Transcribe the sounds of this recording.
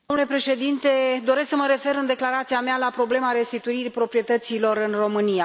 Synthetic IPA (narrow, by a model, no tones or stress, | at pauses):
d̪omnule̞pɾe̞ʃe̞d̪int̪e̞d̪o̞ɾesksəməɾe̞fe̞ɾɨnd̪e̞klaɾat̪siamealapɾo̞ble̞maɾe̞st̪it̪uiɾipɾo̞pɾie̞t̪ət̪silo̞ɾɨnro̞mɨnija